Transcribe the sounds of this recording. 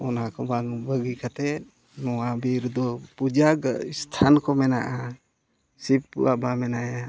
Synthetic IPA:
ɔnakɔbaŋbəɡikat̪ɛ | nɔwabiɾd̪ɔpud͡ʒaɡist̪ʰankɔmɛnaʔa | sip̚ːṵabamɛnaja

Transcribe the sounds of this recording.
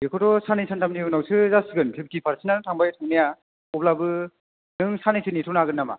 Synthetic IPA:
jekʰɔtɔsanajsʰantʰamniɯnawsʰɯzasiɡɯntʰibitipʰaɾsʰinanɯtʰaŋbajtʰaŋnija | ɔblabɯ | nɯŋsanajsʰɯnitʰunaɡɯnːama̰

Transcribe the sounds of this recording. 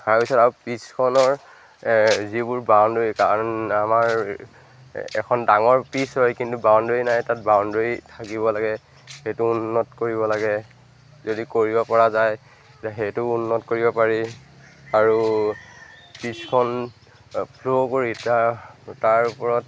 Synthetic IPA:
kaɹpisɔtaupiskʰɔnɔɹ | zibʊɹbawndoikanamaɹ | ɛ̰kʰɔndaŋɔɹpisɦɔjkintubawndoinajtat̚bawndoɹitʰakibɔlaɡɛ | xejtʊːnːɔtkoɹibɔlaɡɛ | zodikoɹibɔpɔɹazaj | zeɦejtʊnːɔtkoɹibɔpaɹi | aɹu | piskʰɔn | pʰlokoɹitataɹupɔɹɔt̚

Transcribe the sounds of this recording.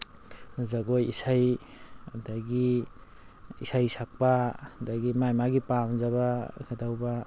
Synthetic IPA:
zaɡojisaj | daɡi | isajsak̚padaɡimajmaɡipamzaβakʰadawba

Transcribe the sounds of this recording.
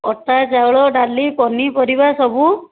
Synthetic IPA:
ɔʈad͡ʒaɭɔɖalipɔnipɔɾibasɔbu

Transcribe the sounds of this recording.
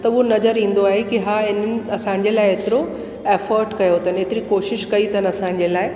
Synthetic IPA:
t̪ɐuɦonɐzəɾĩːn̆d̪oaːɦekiɦaːɪn̤ənɪ̆ɐsãːɲd͡ʑelaːɪɦet̪ɪɾo | eːfəːɾɖkɐjot̪ʰəneːt̪ɪɾikoːʃɪʃkɐit̪ʰənɐsãːɲ̆d͡ʑelaːɪ

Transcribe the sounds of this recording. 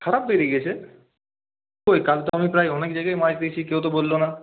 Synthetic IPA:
kʰaɾap̚beɾiɡiet͡ɕʰe | kojkalt̪oamipɾajɔnekd͡ʑajɡajmad͡ʑd̪et͡ɕʰikewt̪̬obolːona

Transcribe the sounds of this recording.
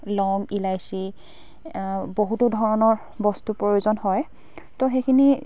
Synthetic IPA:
lɔŋilajsi | boɦutʊdʱɔɹɔnɔɹ | bɔstupɹojiuzɔnhɔj | tɔxejkʰini

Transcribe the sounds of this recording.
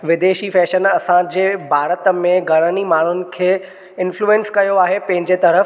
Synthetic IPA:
ʋɪd̪eːʃifɛːʃənɐsãd͡ʑeːbʱaːɾət̪ə̆mẽɡʱɐɽ̃ənimaːɳ̤ʊnɪ̆kʰeː | ɪnfluːẽnskɐjoaːɦepɐ̃ɦɪ̃ɲd͡ʑet̪ɐɾəf

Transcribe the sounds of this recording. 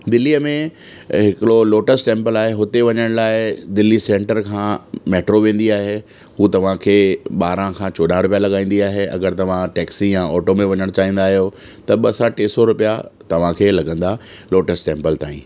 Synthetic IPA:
d̪ɪlːiəmẽ | ɦɪkɪɽoloːʈəsʈʈẽːmpəlaːɦeɦʊt̪eʋɐɲəɽ̃laːɪd̪ɪlːisẽːɳʈəɾkʰãːmeːʈɾoʋẽːn̆d̪iaːɦe | ɦuːt̪ɐʋ̤ãkʰeːɓaːɾãkʰãːt͡ɕɔːɗaɾʊpijalɐɠaːĩːn̆d̪iaːɦeɐ̰ɡəɾt̪ɐʋ̤ãʈɛːksijãɔːʈomẽʋɐɲəɽ̃t͡ɕaːɦĩːnd̪aːɦijot̪ɐɓɐsaʈeːsɔɾʊpijat̪ɐʋ̤ãkʰeːlɐɡə̃nd̪aloːʈəsʈẽːmpəlt̪aːĩː

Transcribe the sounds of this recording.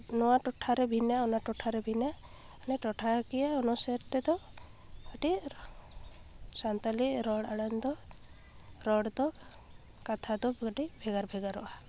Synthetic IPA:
nɔwaʈɔʈʰaɾɛbʱinaɔnaʈɔʈʰaɾɛbʱina | anɛʈɔʈʰakijaɔnɔseɾt̪ɛd̪ɔ | ɔʈi | sant̪ɔliɾɔɽaɽand̪ɔ | ɾɔɽd̪ɔ | kat̪ʰad̪ɔʈibʱɛɡaɾbʱɛɡaɾɔʔa

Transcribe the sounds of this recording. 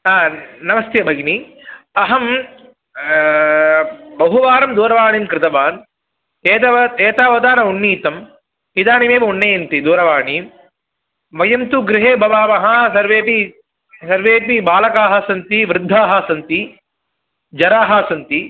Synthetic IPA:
aːnɐmɐst̪ʰjɐbʱɐɡni | ɐɦɐm | bɐɦuʋaːɾɐmd̪uːɾɐʋaːɳiːmkɾɪt̪ɐʋaːn | eːt̪ɐeːt̪aːʋɐd̪aːnɐunːiːt̪ɐm | id̪aːnimeːʋɐuɳːɐjɐnt̪id̪uːɾɐʋaːɳiːm | ʋɐjɐmt̪uɡɾɪɦeːbʱɐʋaːmɐɦɐ̆sɐɾʋeːpi | sɐɾʋeːpibaːlɐkaːɦɐsɐnt̪iʋɾɪd̪ʱːaːɦɐsɐnt̪i | d͡ʒɐɾaːɦɐːsɐnt̪i

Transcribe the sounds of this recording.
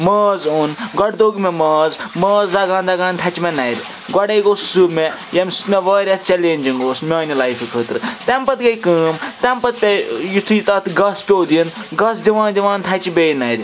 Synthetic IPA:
mɐːzunɡɐɽd̪oːɡmemɐːzmɐːzlɐɡãːnd̪ɐɡaːnt̪ʰɐt͡ʃimɛnɐjɾʲi | ɡɔɽeːɡoːssumejɐmsu̥t̪meʋɐːɾʲɐst͡ʃɛleːnʲd͡ʒiŋɡoːsmʲɐːnilajfikʰəːt̪ɾɨt̪ɛmpɐt̪ɡɐjkɨːmt̪ɛmpɐt̪̚pʲejut̪ʰujit̪ɐt̪ɡɐspʲoːd̪inɡɐsd̪iʋãːnd̪iʋãːnt̪ʰɐt͡ʃibejnɐjɾʲi

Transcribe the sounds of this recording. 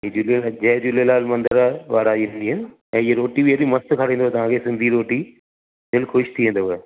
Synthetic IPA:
ɦid͡ʑulelad͡ʑɐɦd͡ʑʊlelaːlmɐ̃nd̪əɾʋaːɾaːiʋ̃nd̪iɦɪnɪ | ɛ̃ːɪeɾoːʈibieɗimɐst̪kʰɐɽ̤ẽːnd̪oɦɛt̪ɐʋ̤ãkʰesɪ̃nd̪ʱiɾoːʈi | d̪ɪlxʊʃt̪ʰiʋẽːn̆d̪oɦɛ

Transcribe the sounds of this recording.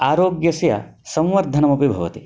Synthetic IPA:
aːɾoːɡjɐsjɐ̰sɐ̃wʋɐɾd̪ʱɐnɐmɐpibʱɐʋɐt̪i

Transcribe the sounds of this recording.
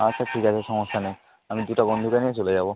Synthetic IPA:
asʰaʈʰikasʰɛsɔŋɔstʰanaj | amid̪utabɔnd̪ʱukaniɛsolezabɔ

